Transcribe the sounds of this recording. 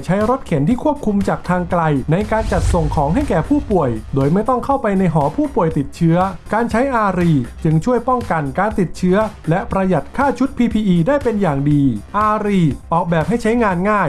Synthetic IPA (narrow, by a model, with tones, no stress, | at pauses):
t͡ɕʰa˦˥jɾo˦˥t̪̚kʰe˩˦nt̪ʰiː˥˩kʰu˥˩əp̚kʰu˧mt͡ɕaː˨˩k̚t̪ʰaː˧ŋkla˧jna˧jkaː˧nt͡ɕa˨˩t̪̚so˨˩ŋkʰɔː˩˦ŋɦa˥˩jkɛː˨˩pʰuː˥˩pu˨˩əjdoː˧jma˥˩jt̪ɔ˥˩ŋkʰa˥˩wpa˧jna˧jɦɔː˩˦pʰuː˥˩pu˨˩əjt̪i˨˩t̪̚t͡ɕʰɯ˦˥ɐkaː˧nt͡ɕʰa˦˥jʔaː˧ɾiː˧˩t͡ɕɯ˧ŋt͡ɕʰu˥˩əjpɔ˥˩ŋka˧nkaː˧nt̪i˨˩t̪̚t͡ɕʰɯ˦˥ɐlɛ˦˥ʔpɾa˧ja˨˩t̪̚kʰaː˥˩t͡ɕʰu˦˥t̪̚pʰiː˧pʰiː˧ʔiː˧daː˥˩jpe˧njaː˨˩ŋdiː˧ʔaː˧ɾiː˧ʔɔː˨˩k̚bɛː˨˩p̚ha˥˩jt͡ɕʰa˦˥jŋaː˧nŋaː˥˩j